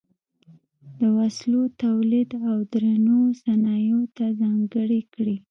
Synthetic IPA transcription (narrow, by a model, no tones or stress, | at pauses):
d̪əwaslot̪awlid̪awd̪ɾanosanɑjot̪azɑŋɡəɽikɽi